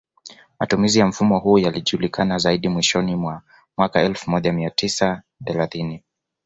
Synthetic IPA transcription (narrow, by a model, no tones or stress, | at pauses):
matumizijam̩fumɔhujaliʄulikʰanazaiɗimwiʃɔnimwa | mwakaɛlfumɔʄamiatisa | θɛlaθini